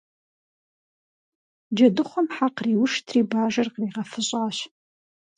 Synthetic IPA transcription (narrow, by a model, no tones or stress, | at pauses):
d͡ʒɐdɨχʷɔmħaqriːwʊʂtʰriːbaːʒɐrqriːʁɐfɨɕʼaːɕ